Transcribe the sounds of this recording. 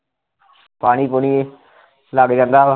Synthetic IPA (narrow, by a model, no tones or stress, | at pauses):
paːɽ̃iːpoːniː | laːɡd͡ʒãːnd̪aː